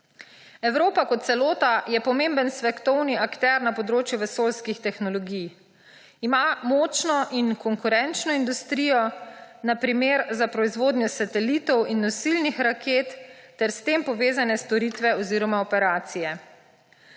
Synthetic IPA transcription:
ɛwɾoːpakɔt̪̚sɛloːt̪ajɛpɔmẽːmbənsʋɛkt̪ɔwniakt̪ɛɾnapɔd̪ɾoːt͡ʃjuʋɛsoːlskixt̪ɛxnɔlɔɡij | imamɔt͡ʃnɔʔinkɔŋkuɾɛnt͡ʃnɔind̪ust̪ɾiːjɔnapɾimeːɾzapɾɔizʋoːd̪njɔsat̪ɛlit̪ɔwinːɔsilnixɾakʰeːt̪ːɛɾst̪eːmpɔʋeːzanɛst̪ɔɾit̪ʋɛɔziːɾɔmaɔpɛɾaːt̪sijɛ

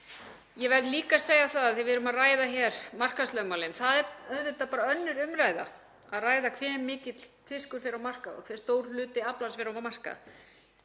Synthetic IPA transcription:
jɛvɛɾðliːkasejaθaðaðθɪvɪðɾʏmaðraːjðaçɛɾ̥mar̥kast̪lœɣmaːwlɪnθaðɛœðvɪt̪apaːɾaœnːʏɾʏmɾajða̰ | aðraːjðakʰvɛːmːɪːcɪt̪l̥ | fɪskʏɾθejɾawmar̥kaðɔ̰kʰv̥ɛ̥ːst̪oːwɾ̥lʏːt̪ɪaplasvɛɾaamar̥ka̰ð

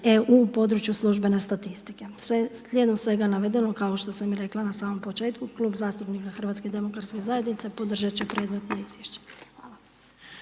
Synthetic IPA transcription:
eupo̞d̪ɾut͡ɕjuslˠuʒbe̞ne̞st̪at̪ist̪ike̞seslʲed̪omsʋe̞ɡanaʋe̞d̪e̞nokaoʃt̪o̞samiɾe̞klˠanasaːmo̞mpo̞t͡ʃeːt̪kukluːbzaːst̪upnikaxr̩ʋat̪sked̪e̞mo̞kɾaɾt̪ske̞zaje̞d̪nit̪sepo̞d̪r̩ʒat͡ɕepɾe̞ːd̪me̞t̪noizʋjeʃt͡ɕe̥xʋaːla

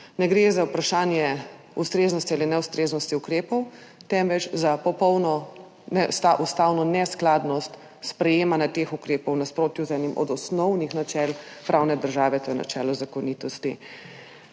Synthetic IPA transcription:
nɛɡɾeːzaupɾaʃaːnjɛ | ust̪ɾeːznɔst̪ialinɛwst̪ɾeːznɔst̪iukɾeːpɔwt̪ɛmʋɛt͡ʃzapɔpɔwnɔ | nɛst̪aʔust̪aːwnɔnɛsklaːd̪nɔst̪ | spɾɛjeːmanjat̪exukɾeːpɔwnaspɾoːt̪juzɛnimʔɔ̰d̪ɔsnɔwnixnat͡ʃɛːlpɾawnɛd̪əɾʒaːʋɛt̪oːjɛna̰t͡ʃɛ̰ːlɔzakɔnit̪ɔst̪ḭ

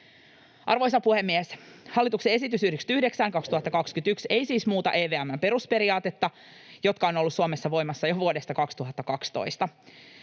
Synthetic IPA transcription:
ʔɑ̰rʋo̞js̬ɑpuhemːieshɑlːit̪uksee̞sit̪ysyhdekst̪yhde̞ksæːŋkɑkst̪uhɑt̪ːɑkɑkskyt̪ykse̞jsiːsmuːt̪ɑ̰ʔeːʋeæmːæmpe̞ɾuspe̞ɾiɑːt̪e̞t̪ːɑ | jo̞t̪kɑo̞no̞lːussuomesːɑʋo̞jmɑsːɑjoʋuode̞st̪ɑkɑkst̪uɦɑt̪ːɑkɑkst̪o̞̰jst̪ɑ

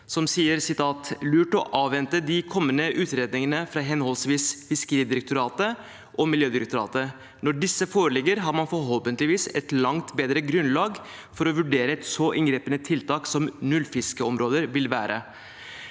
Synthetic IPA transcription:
sɔmsiːəɾsɪt̪ʰɑːt̪lʉːʈɔ̰ʔɑːʋʋɛnt̪əd̪ɪkʰɔmːənəʔʉːt̪ɾeːd̪nɪŋənəfɾɑːɦɛnhɔlsʋiːsfɪskəɾiːd̪ɪɾək̚t̪ʊɾɑːt̪ə | ʔɔmɪljøːd̪ɪɾək̚t̪ʊɾɑ̰ːt̪ə | nɔɖɪsːəfoːɾəɭɛɡəɾɦɑɾmɑnfɔɾɦɔlpənt̪lɪʋiːsɛt̪lɑŋt̪beːd̪ɾəɡɾʉnlɑːɡ | fɔɾɔʋʉɖeːɾəɛt̪sɔʔɪŋɡɾeːpənət̪ʰɪlt̪ʰɑːksɔmnʉlːfɪskəɔmɾoːd̪əɾʋɪlʋæːɾʔə̰

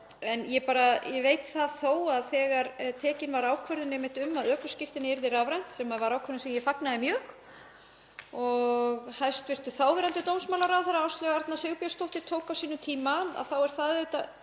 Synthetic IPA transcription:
ɛnjɛpaːɾajɛvejt̪θaðθoːwaðθɛːɣaɾt̪ʰɛːcɪnvaɾaːwkʰvœɾðʏnɛmɪht̪ʏmːaðœːkʏ̥scɪft̪ɪnɪɛɾðɪɾaːvɾajn̥t̪sɛmaðvaɾaːwkʰvœɾðɪnsɛmjɛfaknaðɪmjœːx | ɔɣhajst̪vɪr̥t̪ʏθaːwvɛɾant̪ɪt̪ownsmaːwlaɾaðθaɾawst̪lɛɣaaɾt̪naseɣʏpjast̪owht̪ɪt̪ʰoːwkawsiːnʏt̪ʰiːmaa̰ðθawɛɾ̥θaðɛt̪a

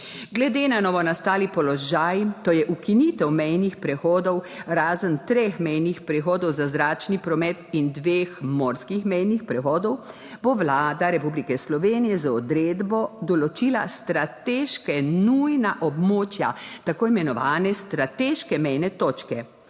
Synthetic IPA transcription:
ɡlɛd̪eːnanɔːʋɔnast̪aːlipɔlɔʒajt̪ojɛʔukinit̪ɛwmɛjnixpɾɛxɔːd̪ɔwɾaːzənt̪ɾexmɛjnixpɾɛxɔːd̪ɔwzazɾaːt͡ʃnipɾɔmɛt̪ind̪ʋeːxmɔːɾskixmɛjnixpɾɛxɔːd̪ɔw | boʋlaːd̪aɾɛpublikɛslɔʋeːnijɛzaɔd̪ɾeːd̪bɔd̪ɔlɔt͡ʃiːla̰st̪ɾat̪eːʃkɛnujnaʔɔbmoːt͡ʃja̰t̪akoːimɛnɔʋaːnɛst̪ɾat̪eːʃkɛmɛjnɛt̪oːt͡ʃkɛ

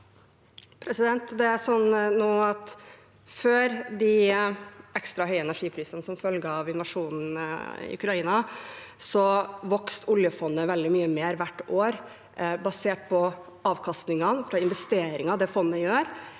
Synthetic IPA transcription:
pʰɾɛsɪd̪ɛnt̪d̪ɛæɾsɔnːnoːɑt̪ | føːɾd̪ɪ | ʔɛkst̪ɾɑɦœʏəɛnæʂiːpʰɾiːsənəsɔmfœlɡəɑʋɪnʋɑʂuːnn̩ɪ̰ʉkɾɑiːnɑsɔʋɔkst̪ʰʊljəfɔnːəʋɛld̪ɪmyːəmeːɾʋæʈːoːɾ | bɑseːʈ̚pʰɔ | ɑːʋkʰɑst̪nɪŋɑnfɾɑɪnʋɛst̪eːɾɪŋɑd̪ɛfɔnːəjøːɾ

